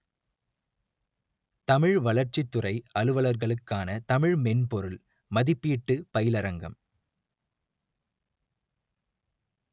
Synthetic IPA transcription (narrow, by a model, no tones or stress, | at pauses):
t̪ɐmɪɻʋɐɭɐɾt͡ʃɪt̪ːɯrɐɪɐlɯʋɐɭɐɾɣɐɭɯkːaːnɐt̪ɐmɪɻmɛnpɔɾɯl | mɐðɪpːiːʈːɯpɐjɪlɐɾɐŋɡɐm